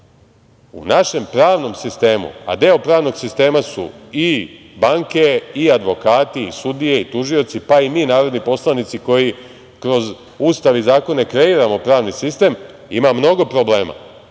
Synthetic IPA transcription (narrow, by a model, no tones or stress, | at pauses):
ṵnaʃe̞mpɾaːʋno̞msist̪e̞ːmṵa̰d̪eopɾaːʋno̞ɡsist̪e̞ːmasṵi | baŋke̞iad̪ʋo̞kaːt̪iisud̪ije̞it̪uʒio̞t̪sipaimiːnaːɾo̞d̪nipo̞slˠanit̪siko̞ji | kɾo̞z | uːst̪aʋizaːko̞ne̞kɾe̞iːɾamo̞pɾaːʋnisist̪e̞m | imamno̞ɡo̞pɾo̞ble̞ːma̰